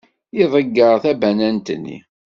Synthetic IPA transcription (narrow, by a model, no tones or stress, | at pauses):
iðˤəɡːəɾθæbænænt̪ənːḭ